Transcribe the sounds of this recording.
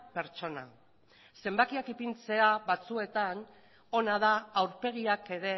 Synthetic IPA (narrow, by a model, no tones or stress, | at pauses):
pe̞ɾt͡ʃo̞na̰ | se̞mbakiakipint͡se̞aβat͡sue̞t̪an | o̞naðaːwɾpe̞ɣ̞iake̞ɾe̞